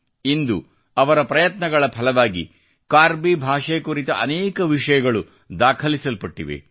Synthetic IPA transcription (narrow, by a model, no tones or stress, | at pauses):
ind̪ṵ | ɐʋɐɾɐpɾɐjɐt̪nɐɡɐɭɐpʰɐlɐʋaːɡḭ | kaːɾbibʱaːʂekuɾit̪ɐ̰ʔɐnɛːkɐʋiʂɐjɐɡɐɭu | d̪aːkʰɐlisɐlpɐʈːḭʋḛ